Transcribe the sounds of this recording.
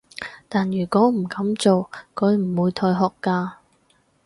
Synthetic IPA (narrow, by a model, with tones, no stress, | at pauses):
t̪aː˨njyː˨˩kɔː˨˥m̩˨˩kɐ˨˧˥mt͡so˨wkʰɵ˨˧ɥm̩˨˩wuː˨˧jt̪ʰɔː˧jɦɔː˨˩kːaː˧